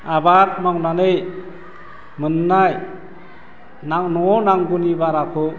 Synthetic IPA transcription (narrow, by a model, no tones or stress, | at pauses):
abaɾmawnanej | mɯnːaj | naŋnɔŋɔnaŋɡunibaɾakʰɔ